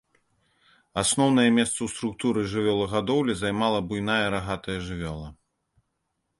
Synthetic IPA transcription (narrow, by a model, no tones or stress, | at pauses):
asnɔwnɐjɛmʲɛst̪sɐwst̪ɾukt̪uɾɨʐɨvʲɔlˠɐɣad̪ɔwlʲizajmalˠɐbujnajɐɾaɣat̪ɐjɐʐɨvʲɔlˠɐ